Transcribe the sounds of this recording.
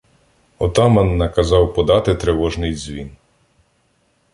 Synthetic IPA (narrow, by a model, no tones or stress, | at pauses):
ɔt̪ɑmɐnːɐkɐzɑwpɔd̪ɑt̪ɪt̪ɾeʋɔʒnɪjzʲʋʲḭn